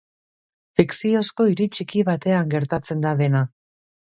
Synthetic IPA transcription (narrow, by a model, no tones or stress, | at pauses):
fiksio̞sko̞iɾit͡ʃikiβ̞at̪e̞aŋɡe̞ɾt̪at͡se̞nd̪aðe̞na